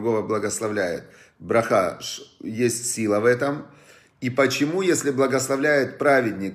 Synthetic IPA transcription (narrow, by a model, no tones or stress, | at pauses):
ɡo̞vəblˠɐɡəslˠɐvlʲæjɪ̰t̪̚ | bɾɐxa̰ʂjesʲtʲsʲilˠəvɛt̪əm | ipət͡ɕɪmujesʲlʲɪblˠɐɡəslˠɐvlʲæjɪt̪pɾavʲɪdʲnʲɪk